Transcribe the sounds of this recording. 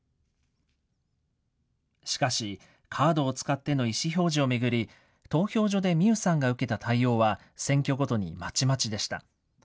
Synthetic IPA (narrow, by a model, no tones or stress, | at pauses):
ɕi̥kaɕi | kʰaːd̪o̞ːt͡sɨ̥kat̪ːe̞no̞iɕiço̞ːʑio̞me̞ɡɯ̟ɾʲi | t̪o̞ːço̞ːʑo̞d̪e̞mʲɨɯ̟sãŋɡaɯ̟ke̞t̪at̪ʰaio̞ːβa | sẽ̞ŋkʲo̞ɡo̞t̪o̞ɲ̟ḭmat͡ɕimat͡ɕid̪e̞ɕi̥t̪a̰